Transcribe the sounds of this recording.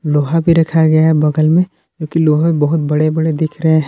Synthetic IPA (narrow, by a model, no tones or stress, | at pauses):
loːɦabʱiɾɐkʰaɡɐjaɦɛbɐɡəlmẽ | kjõːkiloːɦãbɐɦʊt̪̚bɐɽebɐɽed̪ɪkʰɾɐɦẽ